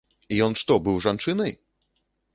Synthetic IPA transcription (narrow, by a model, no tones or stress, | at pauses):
ijɔnʂt̪ɔbɨwʐant͡ʂɨnɐj